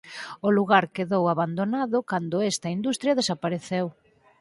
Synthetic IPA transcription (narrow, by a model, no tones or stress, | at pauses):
ʊluɣaɾkeðowaβand̪onaðʊkand̪ʊɛst̪ɐind̪ust̪ɾjɐðesapaɾeθew